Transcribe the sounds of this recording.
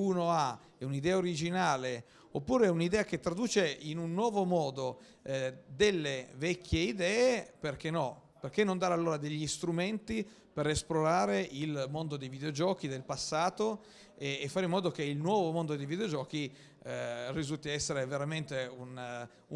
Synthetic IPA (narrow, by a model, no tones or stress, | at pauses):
uːnoa | ɛunid̪ɛːaoɾid͡ʒinaːle | opːuːɾeɛunid̪ɛːaket̪ːɾad̪uːt͡ʃeinunːwɔːvomɔːd̪o | d̪elːevɛkːjeid̪ɛːeperk̟enːɔ | perk̟enːond̪aɾalːoːɾad̪eʎːist̪ɾument̪i | peɾesploɾaːɾeilmond̪od̪ejvid̪eod͡ʒɔːkid̪elpasːaːt̪o | eːfːaːɾimːɔːd̪ok̟eilnwɔːvomond̪od̪ejvid̪eod͡ʒɔːki | rizult̪iaɛsːeɾeveɾament̪eun | u